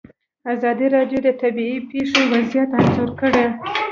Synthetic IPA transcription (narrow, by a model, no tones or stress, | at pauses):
azɑd̪iɾɑɖjod̪ət̪abiipeʂewazijat̪anzoɾkəɽe